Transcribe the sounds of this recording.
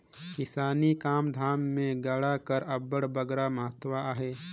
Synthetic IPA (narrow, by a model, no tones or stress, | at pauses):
kɪsaːnikaːmd̪ʱaːmːẽɡəɽakəɾɐbəɽbəɡɾaməɦət̪waaːɦeː